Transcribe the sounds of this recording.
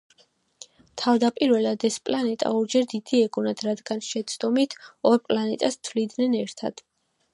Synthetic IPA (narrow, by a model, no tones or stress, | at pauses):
t̪ʰavd̪apʼiɾvɛlad̪ɛspʼlanɛt̪ʼa̰uɾd͡ʒɛɾd̪id̪̥iɛɡunad̪̥ɾad̪ɡanʃɛt̪sʼʰd̪ɔmit̪ʰɔɾpʼlanɛt̪ʼast̪ʰvlid̪nɛnɛɾt̪ʰa̰d̪̥